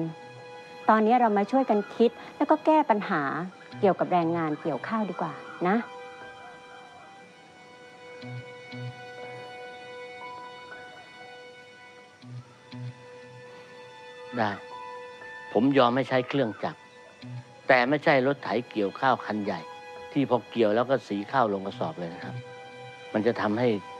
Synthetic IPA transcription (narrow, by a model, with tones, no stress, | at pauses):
t̪ɔː˧nːiː˦˥˨ɾa˧wmaː˧t͡ɕʰu˥˩əjka˧nkʰi˦˥t̪̚lɛ˦˥wkɔː˥˩kɛː˥˩pa˧nɦaː˩˦ | ki˨˩əwka˨˩p̚ɾɛː˧ŋːaː˧nki˨˩əwkʰaː˥˩wdiː˧˩kwaː˨˩na˦˥ʔ | da˧˩ | pʰo˩˦mjɔː˧mha˥˩jt͡ɕʰa˦˥jkʰlɯ˥˩əŋt͡ɕa˨˩k̚ | t̪ɛː˨˩ma˥˩jt͡ɕʰa˥˩jlo˦˥t̪ʰːa˨˩˦jki˨˩əwkʰaː˥˩wkʰa˧nja˨˩jt̪ʰiː˥˩pʰɔː˧ki˨˩əwlɛː˦˥˩wkɔː˥˩siː˩˦kʰaː˥˩wlo˧ŋka˧sɔː˨˩p̚lɤː˧jna˧˥˩kʰa˦˥p̚ | ma˧nt͡ɕa˨˩ʔt̪ʰa˧mha˥˩j